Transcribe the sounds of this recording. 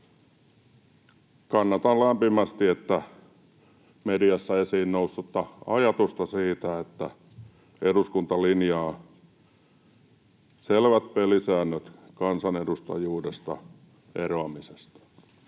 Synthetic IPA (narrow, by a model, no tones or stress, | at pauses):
kɑnːɑt̪ɑllæmpimæst̪iet̪ːæ | mediɑsːɑesiːnnousːut̪ːɑɑjɑt̪ust̪ɑsiːt̪æet̪ːæ̰ | eɾuskunt̪ɑlinjɑː | selʋæt̪̚pelisæːnːøt̪kɑnsɑnedust̪ɑ̰juːdest̪ɑ̰ | ḛroɑmisest̪ɑ̥